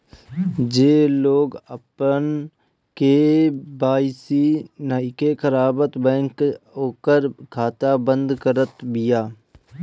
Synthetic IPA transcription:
d͡ʒeːloːɡəpən | kebaːɪsinaɪkekəɾaːbət̪bɛ̃ːŋkoːkəɾkʰaːt̪abə̃nd̪kəɾət̪bɪjaː

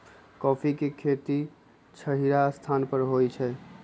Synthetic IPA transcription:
kɔpʰikekʰet̪i | t͡ʃʰəɦiɾast̪ʰanpəɾɦojt͡ʃʰɛ

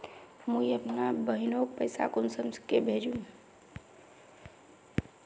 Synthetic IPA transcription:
mə̃iəpnabəɦinok̚pəɪsa̰kʊnsəmskebʱeːd͡ʒũ

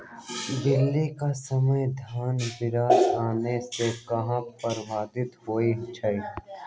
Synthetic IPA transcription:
d̪ɪlːikasɐməjd̪ʱaːnbɪɾaːsaːnesekɐɦãpɐɾʋaːd̪ɪt̪ɦoːit͡ʃʰɐi

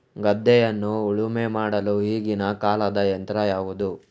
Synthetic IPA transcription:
ɡɐd̪ʱːɛjɐnːuːɭumemaːɽɐluɦiːɡinɐkaːlɐd̪ɐjɐnt̪ɾɐjaːʋud̪u

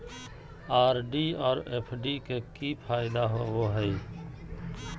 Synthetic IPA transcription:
aːɾɖiːɔːɾeːpʰɖikekipʰaːɪd̪aɦoʋoːɦɛ

